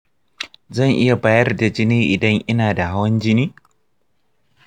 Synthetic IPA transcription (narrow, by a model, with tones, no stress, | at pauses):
zɐ˦˨ŋʔɪ˦ja˨baː˦jɐ˦rda˨d͡ʒɪ˦niː˦ʔɪ˨dɐ˦ŋʔɪ˦naː˨da˨ɦa˦wɐ˦nd͡ʒɪ˦niː˦